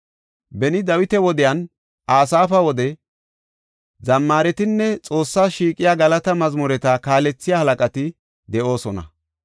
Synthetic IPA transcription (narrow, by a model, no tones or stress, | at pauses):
bɛnɪd̪ɐwɪt̪ɛwɔd̪ɪjɐn | ʔaːsaːfɐwɔd̪ɛ | zɐmːaːɾɛt̪ɪnːɛt͡sʼo̞ːsːaːʃiːkʼɪjaːɡɐlɐt̪ɐmɐzmʊɾɛt̪ɐkaːlɛt͡sːɪjaːhɐlɐkʼɐt̪ɪ | d̪ɛʔo̞ːsɔnɐ̰